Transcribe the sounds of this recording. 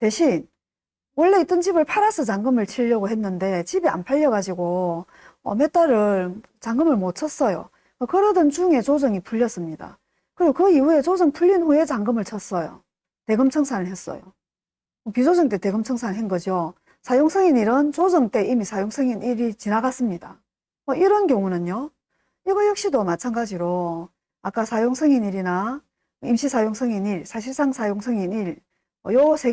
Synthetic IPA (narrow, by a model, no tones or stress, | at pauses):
te̞ɕʰin | wʌɭːeit͈ʌnt͡ɕibɯɭpʰaɾasʰɯt͡ɕaŋɡɯmɯɭt͡ɕʰiʎːʌɡoɦe̞nːɯnde̞t͡ɕibia̰npʰaʎːʌɡad͡ʑiɡo | ʌ̰met͈aɾɯɭ | t͡ɕaŋɡɯmɯɭmot͡ɕʰʌs͈ʌjo̰ | kʌkɯɾʌdɯnt͡ɕuŋe̞t͡ɕod͡ʑʌŋipuʎːʌs͈ɯmɲida̰ | kɯɾiɡokɯiue̞t͡ɕod͡ʑɯŋpuʎːinɸoe̞t͡ɕaŋɡɯmɯɭt͡ɕʰʌs͈ʌjo̰ | te̞ɡɯmt͡ɕʰʌŋsʰanɯɭhes͈ʌ̰jo̰ | mʌpid͡ʑod͡ʑɯŋt͈e̞te̞ɡɯmt͡ɕʰʌŋsʰanɯɭɦenɡʌd͡ʑo | sʰajoŋsʰʌŋiniɾɯnt͡ɕod͡ʑɯŋt͈e̞ʔimisʰajoŋsʰɯŋiniɾit͡ɕinaɡas͈ɯmɲida | mʌiɾʌnkjʌŋunɯnjo | iɡʌjʌk̚ɕ͈idomat͡ɕʰanɡad͡ʑiɾo | ak͈asʰajoŋsʰʌŋiniɾina | imɕʰisʰajoŋsʰʌŋiniɾsʰaɕ̬ʰiɭs͈aŋsʰajoŋsʰʌŋiniɾ | ʌjosʰe